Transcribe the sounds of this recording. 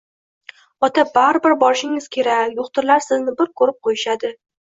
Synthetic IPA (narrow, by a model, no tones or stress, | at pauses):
ɒt̪ʰabaɾɪbɪɾbɒɾɪʃɪŋɪz̥kʲʰe̞ɾakʲjoχt̪ʰɪɾlaɾsɪznɪbɪɾkʰɵɾɪp̚qʰojɪʃad̪ɪ